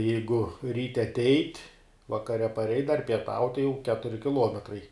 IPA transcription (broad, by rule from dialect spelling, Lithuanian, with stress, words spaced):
ˈjɛɪɡʊ ˈrʲiːtʲɛ ɐˈtʲɛɪtʲ ʋɐkɐˈrʲɛ pɐˈrʲɛɪtʲ dɐr pʲiɛˈtɐʊtʲ jɛʊ ˈkʲæːtʊrʲɪ kʲɪˈlˠuɔmʲɛtrɐɪ